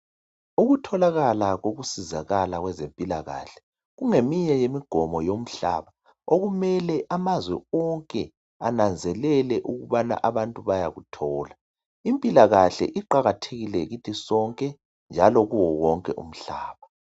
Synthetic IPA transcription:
uɣutʰɔlaɣalaɣoɣusizaɣalaɣwɛzempʼilaɣa̰ɬɛ̥ | ɣuŋemiɲɛjemiɡ̥ʱɔmɔjom̩ɬa̰βa | oɣumɛlɛʔamazwɛɔŋkʼɛ | anand͡zʱɛlɛlɛʔuɣuβana̰ʔaβantʼuβajaɣutʰɔːla | impʼilaɣaɬɛ̰ʔiǃaɣatʰeɣilɛɣitʰisɔŋkʼɛ | nd͡ʒʱalɔɣuwɔwɔŋkʼɛ̰ʔṵm̩ɬaːβa

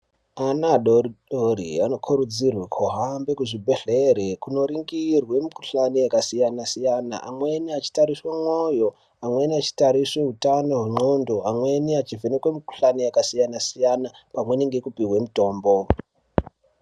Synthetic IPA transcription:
anaɗoriɗoɾḭano̞kʰuɾud͡zirwekʰoɦambekuʐibʱe̞ɮeɾekuno̞ɾiŋɡirwe̞mikuɬanijakasijanasijana̰ʔa̰mwe̞niat͡ʃi̥taɾiswamwojo̞ | amwe̞niat͡ʃi̥taɾiswe̞ɦutano̞ɦuŋ͡ǃondoamwe̞niat͡ʃivenekwemiku̥ɬanijakasijanasijanapamwe̞niŋɡe̞kupiwe̞muto̞ːmbo̞

